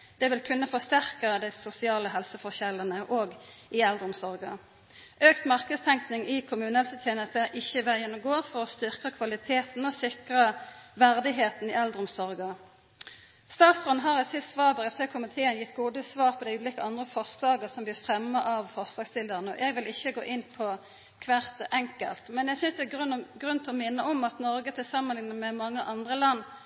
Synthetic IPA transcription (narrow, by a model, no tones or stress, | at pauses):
d̪̥ɛʋɪlkʰʉnːəfɔʁst̪æʁkəd̪æɪsʊsɪɑːləɦɛlsəfɔçɛlːənəʔoːɡʔɪɛld̪ʁʊmsɔʁɡə | ʔøːkt̪mɑʁkəd̪st̪ʰɛŋknɪŋɪkʰʊmʉːnəhɛlsət̪ʰjeːnəst̪əʔɪçəʋæjɛnːʊmɡoːfɔʁɔst̪ʏʁkəkʰʋɑlɪt̪ʰeːt̪n̩ɔsɪkʁəʋæʁd̪ɪɦeːt̪n̩ɪːɛld̪ʁʊmsɔʁɡə | st̪ɑːt̪sɔnɦɑʁɛsɪst̪sʋɑːbəʁɛfseːkʰʊmɪt̪ʰeːənjɪt̪ːɡuːd̪əsʋɑːɾpʰɔd̪æɪʉːliːkəɑnd̪ʁəfɔʁslɑːɡəsɔmb̪iːfʁɛmːəʔɑʋfɔʁslɑːɡst̪ɪld̪əʁnəɔ̰ʔɛɡʋɪlɪçːəɡoːʔɪnpʰɔ | kʰʋæʁt̪ʔɛŋkə̰lt̪mɛnjæsʏnsd̪ɛːɡʁnɡʁʉnt̪ʰɛɔmɪnːəɔmɑt̪nɔʁɡət̪ʰɪlsɑmːənlɪŋnəmɛmɑŋːəʔɑnd̪ʁəlɑnː